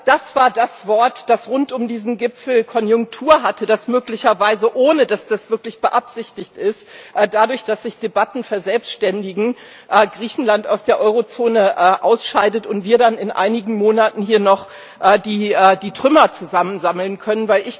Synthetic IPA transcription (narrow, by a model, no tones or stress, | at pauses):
d̥asv̥aːɐdasv̥ɔɐtd̥asʁʊntʊmdiːzn̩ɡɪpfl̩kʰɔnjʊŋk̚tʰuːɐɦatʰəd̥asmøːklɪçɐvaɪzəʔoːnədasd̥asv̥ɪɐklɪçb̥əʔapz̥ɪçtɪçtʔɪstʔːdadʊɐçd̥asz̥ɪçd̥ebatn̩fɛɐzɛlpstʃtɛndɪɡŋ̩ | ʔɛːɡʁiːçn̩lanta̰ʊsd̥eːɐʔɔʏʁot͡soːnəʔɛːʔaʊsʃaɪdətʊntv̥iːɐdanɪnʔa̰ɪnɪɡŋ̩moːnatn̩hiːɐnɔχ | ʔɛːdiːɛːdiːtʁ̥ʏmɐt͡suzamənzaml̩nkʰœnənvaɪlɪç